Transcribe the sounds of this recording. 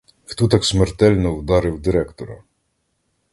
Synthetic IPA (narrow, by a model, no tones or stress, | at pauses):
xt̪ɔt̪ɑksmert̪ɛlʲnɔwd̪ɑɾɪwd̪ɪɾɛkt̪ɔɾɐ